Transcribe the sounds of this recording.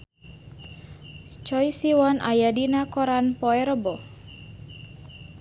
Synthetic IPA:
t͡ʃɔjsiwɔnʔa̰jadinakɔɾanpɔɛɾəbɔ

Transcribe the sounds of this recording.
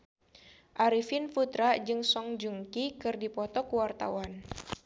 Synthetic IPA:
ʔaɾifɪnfut̪ɾad͡ʒɨŋsɔŋd͡ʒuŋkikɨrdipɔt̪ɔkuwart̪a̰wan

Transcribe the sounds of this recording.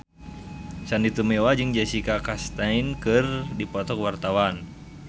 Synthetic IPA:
sandit̪umɛwad͡ʒɨŋd͡ʒasikakast̪ainkɨrdipɔt̪ɔkwart̪awan

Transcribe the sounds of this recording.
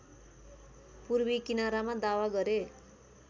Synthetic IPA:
purbikinaɾamad̪awaɡʌɾe

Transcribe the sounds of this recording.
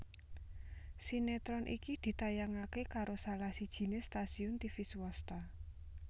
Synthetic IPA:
sinet̪ɾɔnʔḭkid̪̥i̤t̪ajaŋakekaɾosalahsid̥ʒ̥i̤nest̪asiʊnt̪ifiswɔst̪a

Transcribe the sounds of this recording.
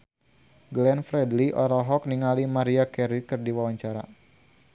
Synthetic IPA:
ɡlɛnfɾɛdliʔɔɾɔɦɔk̚niŋalimaɾiakɛɾikɨrdiwawaɲt͡ʃaɾa̰

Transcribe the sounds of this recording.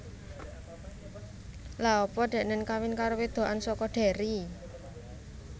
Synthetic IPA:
laɔpɔɖ̥ɛ̤ʔnənkawɪnkaɾowed̪̥o̤ʔansɔkɔɖ̥ɛ̤ɾi

